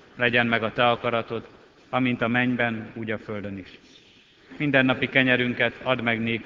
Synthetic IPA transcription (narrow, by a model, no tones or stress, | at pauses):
lɛɟɛnmɛɡɒt̪ɛɒkɒɾɒt̪o̞t̪ | ɒmint̪ɒmɛɲbɛnuːɟɒføld̪ø̞niʃ | mind̪ɛnːɒpikɛɲɛɾyŋkɛt̪ʰɒd̪mɛɡneːk